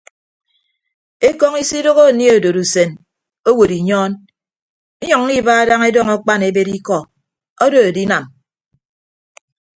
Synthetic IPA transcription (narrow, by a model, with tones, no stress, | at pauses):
e˦kɔ˦ŋi˦si˦do˦ɣo˦˨ni˦o˨do˨ɾu˨se˨n | o˦wo˨ɾi˨ɲɔː˦n | e˦ɲɔ˨ŋ̩˦i˦ba˦a˦da˦ŋe˦dɔ˦˨ŋɔ˦k͡pa˦ne˦be˦ɾi˦kɔ˦˨ | ɔ˦do˨a˨di˦na˨m